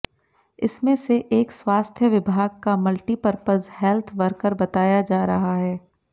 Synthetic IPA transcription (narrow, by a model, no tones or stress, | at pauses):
ɪsmẽseʔeːkswaːst̪ʰjəʋɪbʱaːɡ̚kamɐlʈipɐɾpəzhɛlt̪ʰʋɐɾkəɾbɐt̪aːjad͡ʒaːɾɐɦaɦɛː